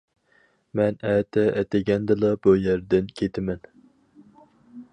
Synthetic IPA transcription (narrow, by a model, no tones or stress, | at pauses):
mɛnɛːt̪ʰɛɛt̪ɪɡʲɛnd̪ɨlˠɑbujæɾd̪ɪnkʲʰet̪ʰɪmɛn